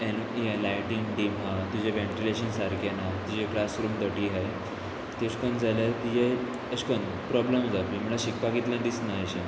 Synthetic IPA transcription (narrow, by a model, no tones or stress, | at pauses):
enielajʈiŋɡɖimɦat̪ud͡ʑeʋẽɳʈileɕənsaɾkʰenat̪ud͡ʑekɽasɾuːmd̪əʈiːɦaj | t̪eskond͡zalat̪id͡ʑe | əskon | pɾɔbləmd͡zapĩm̤uɭaɕikpakit̪lə̃d̪isnaəɕẽ